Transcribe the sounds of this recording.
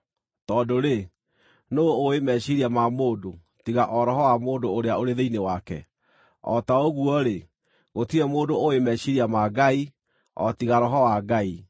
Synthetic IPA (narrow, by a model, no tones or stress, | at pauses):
tɔdoɾe | noːemɛʃiɾiamamoːdo | tiɣaʔɔɾɔɦɔwamoːndoːɾeaoɾeðeinewakɛ̰ | ɔ̰taoɣuɔɾe | ɣotiɛmoːdoowemɛʃiɾiamaɡai | ɔ̰tiɣaɾɔɦɔwaɡai